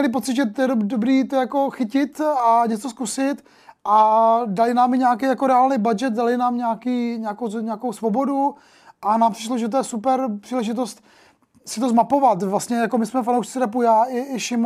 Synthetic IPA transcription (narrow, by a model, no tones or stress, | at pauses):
ɛlɪp̬ott͡sɪt̪ʒɛt̪jɛdobɾiːt̪ojako̞xɪcɪt̪aɲɛt͡soskusɪt̪ | ʔadalɪnaːmɪɲɛak̬ejakoɾɛaːlnɛjbad͡ʒɛt̪̚dalɪnaːmɲaakiːɲaakowɲɛakowsvobo̞du | ʔanaːmpr̥ɪ̥ʃloʒɛt̪̬ojɛsupɛɾpr̥iːlɛʒɪt̪ost̪ | sɪt̪ozmapo̞vat̪vlast̪ɲɛjakomɪsmɛfanowʃt͡sɪɾap̬ujaːɪɪʃɪm